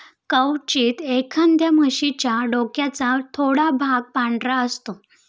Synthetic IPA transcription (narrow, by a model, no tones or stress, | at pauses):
kəwt͡ɕiːt̪ekʰənd̪jaməɕit͡ɕjaɖokjat͡sat̪ʰoɽabʱaɡ̚paɳɖɾaəst̪o